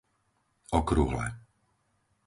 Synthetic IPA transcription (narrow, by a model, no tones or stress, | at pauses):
ɔkɾuɦlɛ̰